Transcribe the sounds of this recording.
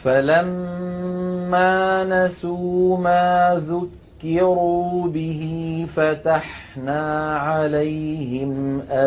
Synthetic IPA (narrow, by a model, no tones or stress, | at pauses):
falam | aːnasuːmaːðʊkːɪɾuːbɪɦifat̪aħnaːʕalajɦɪmʔa